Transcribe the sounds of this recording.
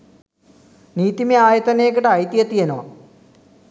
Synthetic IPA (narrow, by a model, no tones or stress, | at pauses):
niːt̪ːimiaːjɐt̪ːɐneːk̬ːiʈɐɐjt̪ːiɐt̪ːijɐnoː